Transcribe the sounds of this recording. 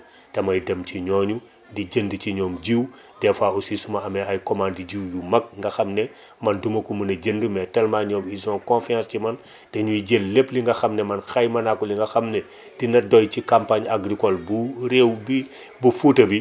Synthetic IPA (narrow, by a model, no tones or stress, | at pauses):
tɐmɐjdɐmciɲɔːɲu | diɟəndiciɲɔːmd͡ʒiw | dɛfaosisumaɐmɛajkɔmandiɟiwjumɐk̚ŋɡɐxɐmnɛ | mɐndumɐkumunɐɟəndumɛtɛlmaɲɔːmizɔ̃nkõnfiãscimɐn | d̥ɛɲuiɟelːepliŋɡɐxɐmnɛmɐnxajmɐnakuliŋɡɐxɐmnɛ | d̥inɐdɔjcikampaɲaɡɾikɔlbuɾewbi | bufutɐbi